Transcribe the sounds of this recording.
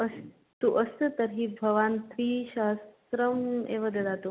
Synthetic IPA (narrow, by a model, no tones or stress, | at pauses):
əs | t̪uʔəst̪t̪əɾɦiːbʱɐʋaːnt̪ɾiːɕas | ɾəmḛʋɐd̪ɐd̪at̪u